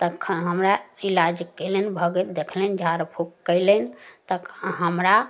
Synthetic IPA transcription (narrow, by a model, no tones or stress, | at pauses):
t̪əkʰɦəmɾailad͡ʒkːɛlɛnbʱəɡət̪̚d̪ekʰlɛnd͡ʒʱaɾpʰukkːəɪlɛnt̪əkɦəmɾa